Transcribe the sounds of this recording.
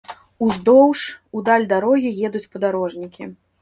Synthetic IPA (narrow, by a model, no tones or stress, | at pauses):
uzd̪ɔwʂud̪alʲd̪aɾɔɣʲijɛd̪ut͡sʲpɐd̪aɾɔʐnʲikʲi